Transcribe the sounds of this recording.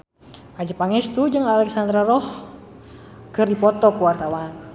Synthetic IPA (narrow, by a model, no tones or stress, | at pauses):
ʔad͡ʒapaŋɛst̪ud͡ʒɨŋalɛksand̪ɾaɾɔh | kərdipɔt̪ɔkuwart̪awan